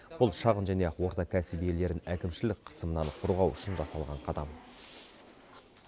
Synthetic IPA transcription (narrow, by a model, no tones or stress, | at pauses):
b̥ʊlˠʃɑʁənʒæne̞wo̞ɾt̪ɑkʲʰæsibije̞le̞ɾɪnækʲɪmʃɪlɪk̚qʰə̥səmənɑnqʰʊɾʁɑwʏʃɪnʒɑsɑlˠʁɑɴqʰɑd̪ɑm